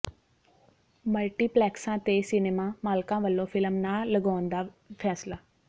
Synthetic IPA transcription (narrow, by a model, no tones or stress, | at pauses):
məlʈiːplɛːksãːt̪eːsɪneːmãːmaːlkãːʋəlːõːpʰɪlmnaːləɡaːnd̪aːpʰɛːslaː